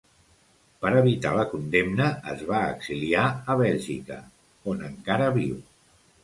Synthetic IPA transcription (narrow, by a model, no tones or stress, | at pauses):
pəɾəβit̪a̰ləkund̪emnəə̰zβaəɡz̥iliaəβɛʎʒḭkə̰ | onəŋkaɾəβiw